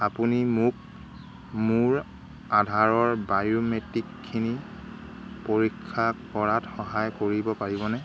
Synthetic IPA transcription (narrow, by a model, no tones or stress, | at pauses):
apunimʊk̚ | mʊɹ | adʱaɹɔɹbajometikʰːini | poɹikʰːakɔɹatxɔɦajkoɹibɔpaɹibɔnɛ